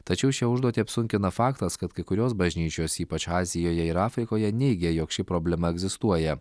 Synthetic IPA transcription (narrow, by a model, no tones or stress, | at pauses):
t̪ɐt͡ʃʲɛʊʃʲiʊʒd̪uɔt̪ʲiɐpsʊŋʲkʲɪnɐfɑːkt̪ɐskɐt̪kɐɪkʊɾʲoːsbɐʒʲnʲiːt͡ʃʲoːsiːpɐt͡ʃɑːzʲɪjoːjɛɪɾɑːfʲɾʲɪkoːjɛnʲɛɪɡʲɛjoːkʃʲɪpɾoːbʲlʲɛmɐɛɡzʲɪst̪uɔjɛ